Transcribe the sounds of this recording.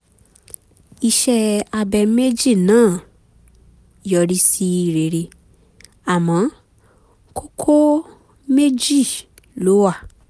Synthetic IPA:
i˧ʃɛ˧a˧bɛ˧me˦d͡ʒi˦˨nãː˦˨ | jɔ˧ɾi˦si˦˧ɾe˨ɾe˧ | a˨mɔ̃˨˦ | kʰo˦kʰo˦ | me˦d͡ʒi˦˨ | lo˨˦wa˦˨

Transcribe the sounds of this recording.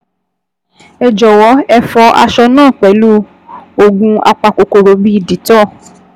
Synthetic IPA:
ɛ˨d͡ʒɔ˨wɔ˨˦ɛ˧fɔ˧ʔa̰˧ʃɔ˧nãː˦˨k͡pɛ˨˦lu˦ | o˧ɡũ˧a̰˧k͡pa˧ko˨ko˨ɾo˨˦bi˦i˦˨di˨˦tɔ˦˨

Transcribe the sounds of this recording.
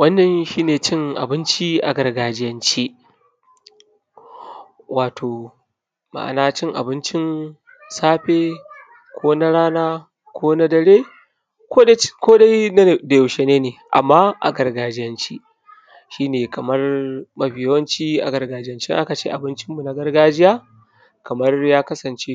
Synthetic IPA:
wɐ˦nːɐ˨nʃiː˦neː˨t͡ʃɪ˦ŋʔa̰˨bɪ˦nt͡ʃi˦ʔa̰˨ɡɐ˨rɡaː˨d͡ʒɪ˦jɐ˦nt͡ʃi˦ | wʔaː˨tʰoː˨ | ma̰˨ʔa̰˨naː˦t͡ʃɪ˦ŋʔa̰˨bɪ˦nt͡ʃɪ˦n | saː˦ɸeː˦ | kʷʰoː˦na˦ɽaː˦naː˦ | kʷʰoː˦na˦dɐ˨ɽeː˦ | kʷo˦dkʷoː˦da˦jda˨jɐ˨wʃe˦neː˦neː˨ʔa̰˨mːaː˦ʔa̰˨ɡɐ˨rɡaː˨d͡ʒɪ˦jɐ˦nt͡ʃi˦ | ʃiː˦neː˨kɐ˨mɐ˦rmɐ˦ɸɪ˨jwɐ˦nt͡ʃiː˦ʔa̰˨ɡɐ˨rɡaː˨d͡ʒɪ˦jɐ˦nt͡ʃɪ̰˦ŋʔa˦ka˨t͡ʃḛː˦ʔa˨bɪ˦nt͡ʃɪ˦mːu˨na˦ɡɐ˦rɡaː˦d͡ʒɪ˦jaː˦ | kɐ˨mɐ˦rjaː˦kɐ˦sɐ˨nt͡ʃe˦

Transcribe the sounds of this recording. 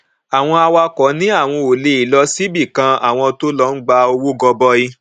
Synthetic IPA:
a˨w̃ɔ̃˧a˧wa˧kɔ˨˦nĩ˦a˦˨w̃ɔ̃˧o˨le˧i˨lɔ˦si˦bi˦˨kã˧a̰˨w̃ɔ̃˧to˦lɔ˦n̩˦ɡ͡ba˧o˧wo˦ɡɔ˧bɔ˦i˧

